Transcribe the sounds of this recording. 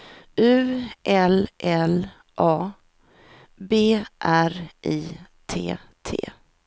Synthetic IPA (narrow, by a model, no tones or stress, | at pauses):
ʉːʔɛlʔɛl | ʔɑː | beːʔæɾʔiːt̪ʰḛː | t̪ʰḛː